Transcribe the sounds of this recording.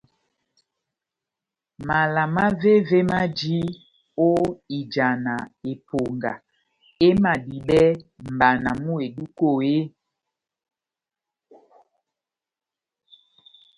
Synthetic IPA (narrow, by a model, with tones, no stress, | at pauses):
ma˨la˨ma˦ve˦ve˦ma˦d͡ʒi˦ | o˦i˨d͡ʒa˨na˨e˨po˨ŋɡa̰˨ | e˦ma˨ɗi˨ɓɛ˦m̩˨ba˨na˨mu˦e˨ɗu˦ko˦˨e˦